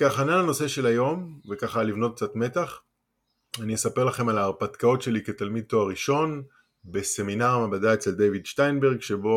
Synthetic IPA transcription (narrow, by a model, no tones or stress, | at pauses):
kaχanalano̞se̞ʃe̞lajo̞mvekaχalivno̞t̪̚k̚t͡sat̪me̞t̪aχ | aniesape̞ʁlaχe̞malaːʁpat̪kao̞tʃe̞liket̪almid̪̚t̪oaʁiʃo̞n | be̞se̞minaʁamabadae̞t͡seld̪ejvidʃtajnbe̞ʁɡʃe̞bo̞